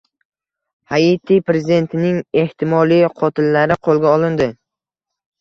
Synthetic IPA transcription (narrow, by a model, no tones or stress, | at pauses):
hait̪ʰijpɾe̞zɪd̪e̞nt̪ʰɪnɪŋe̞ht̪ʰɪmɒlˠijqʰɒt̪ʰɪlːaɾɪqʰolˠɡʲaɒlˠɪnd̪ɪ